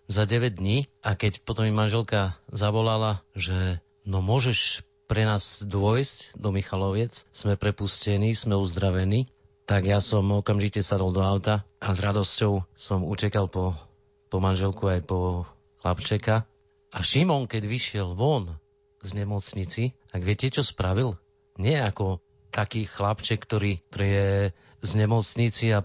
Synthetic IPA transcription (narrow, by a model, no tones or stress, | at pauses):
zaɟɛʋɛɟ̚d̪ɲiːʔakɛcpɔt̪ɔmjimanʒɛlkazaʋɔlalaʒɛ | nɔmʊɔʒɛʃ | pɾɛnaːzd̪ʊɔjscd̪ɔmixalɔʋjɛt͡ssmɛpɾɛpuscɛniːsmɛuzd̪ɾaʋɛniː | t̪aɡjasɔmɔkamʒicɛsad̪ɔlˠd̪ɔaʊt̪aʔazɾad̪ɔscɔʊsɔmucɛkalpɔ | pɔmanʒɛlkuajpɔ | xla̰pt͡ʃɛka | aʃimɔŋkɛɟʋiʃɪɛlʋɔn | zɲɛmɔt͡sɲit͡si | aɡʋɪɛcɛt͡ʃɔspɾaʋil | ɲɪɛakɔ | t̪akiːxlapt͡ʃɛkːt̪ɔɾiːt̪ɔɾiːjɛ | zɲɛmɔt͡sɲit͡sia